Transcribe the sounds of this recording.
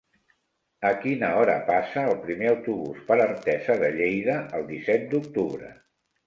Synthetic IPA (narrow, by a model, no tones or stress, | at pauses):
əkinəɔɾə̰pasəːlˠpɾimeəwt̪uβuspəɾərt̪ɛzəðəʎejðəʔəlˠd̪isɛt̪̚d̪uk̚t̪uβɾə̰